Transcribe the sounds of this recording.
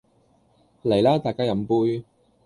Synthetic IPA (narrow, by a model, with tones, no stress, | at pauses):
le˨˩jlaː˥t̪aː˨jkaː˥jɐ˨˥mpuː˥j